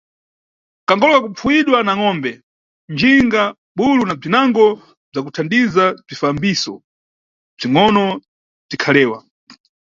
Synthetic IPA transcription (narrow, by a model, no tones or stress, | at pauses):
kaŋɡɔlɔwakup͡fʰuwiɗwanaŋɔːmbɛ | nd͡ʒiŋɡa | ɓulunab͡ʐinaŋɡɔ | b͡ʐak̬utʰandizab͡ʐifambiːsɔ | b͡ʐiŋɔnɔ | b͡ʐikʰalɛːwa̰